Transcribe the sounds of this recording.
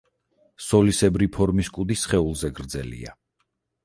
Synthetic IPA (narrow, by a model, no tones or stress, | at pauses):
sɔlisɛbɾipʰɔɾmiskʼud̪isχɛulˠzɛɡɾd̪zɛ̰lḭa̰